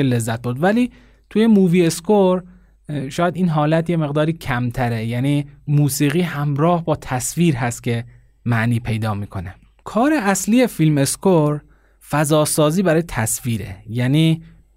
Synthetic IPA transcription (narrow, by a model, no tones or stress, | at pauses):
ele̞zːæt̪̚buːd̪væliː | t̪ʰuːjemuːviːe̞skoɾ | ʃɒːjæd̪iːnɦɒːlæt̪je̞me̞ɣd̪ɒːɾiːcʰæmt̪ʰæɾejæniːmuːsiːɣiːhæmɾɒːhbɒːt̪ʰæsviːɾɦæst̪kcʰe̞ | mæʔniːpʰe̞jd̪ɒːmiːkʰo̞ne | kʰɒːɾeæslije̞filme̞skʰoɾ | fæzɒːsɒːziːbæɾɒːjet̪ʰæsviːɾḛjæniː